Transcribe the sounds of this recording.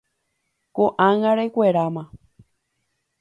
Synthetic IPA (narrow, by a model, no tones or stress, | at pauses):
koʔãŋãɾekʷeɾamã